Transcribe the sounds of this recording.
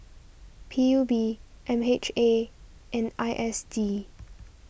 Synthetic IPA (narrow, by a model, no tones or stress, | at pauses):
pʰijubiʔɛ̃met͡ʃeʔɛ̃nʔaɪʔɛsdi